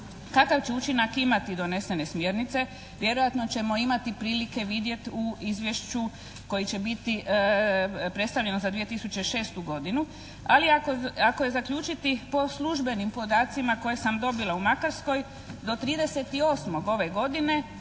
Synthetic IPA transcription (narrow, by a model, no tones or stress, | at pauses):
kakaʋt͡ɕe̞ut͡ʃinakimat̪id̪o̞ne̞se̞ne̞smjeɾnit̪se̞ | ʋje̞ɾojat̪no̞t͡ɕe̞mo̞imat̪ipɾiːlike̞ʋid̪je̞t̪uizʋje̞ʃt͡ʃu | ko̞jit͡ɕe̞bit̪i | pɾe̞t̪st̪aʋʎe̞nozad̪ʋije̞t̪isut͡ʃe̞ʃe̞ːst̪uɡo̞d̪inu | aliakoakoje̞zakʎuːt͡ʃit̪ipo̞slˠuʒbe̞nimpo̞d̪aːt̪simako̞je̞samd̪o̞bilaumakaɾsko̞j | d̪o̞t̪ɾiːd̪e̞se̞t̪io̞ːsmo̞ɡo̞ʋe̞ɡo̞d̪ine̞